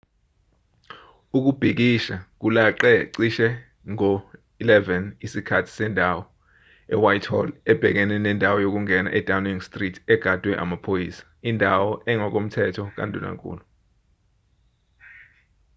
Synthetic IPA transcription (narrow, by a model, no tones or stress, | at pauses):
uk̬ub̥ʱik̬iʃak̬ulaǃɛǀiʃɛ | ŋɔ | ilɛvɛnisikʰatʰi̥sɛndʱawɔ | ɛ̰wajtʰhɔ̰lɛb̥ʱɛk̬ɛnɛnɛndʱawɔjok̬uŋɛna̰ʔɛd̥ʱawniŋstʼritʰɛɡ̥ʱad̥ʱwɛʔa̰mapʰojiːsḁindʱawɔʔɛŋɔk̬ʼom̩tʰɛtʰɔk̬a̰ndʱuna̰kʼṵːlɔ